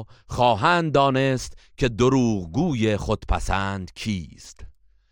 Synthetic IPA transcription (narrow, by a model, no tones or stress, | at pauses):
χɒːɦænd̪d̪ːɒːnest̪kʲʰe̞d̪oɾuːʁɡuːjeχod̪̥pʰæ̰sænd̪̥kʰiːst̪